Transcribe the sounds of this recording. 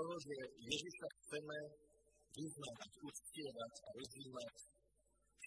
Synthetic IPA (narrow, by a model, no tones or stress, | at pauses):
t̪ɔɦɔʒɛjɛd͡zisaxt͡sɛmɛ | ʋiznaʋacuscɪɛɾacaɾɔziːmac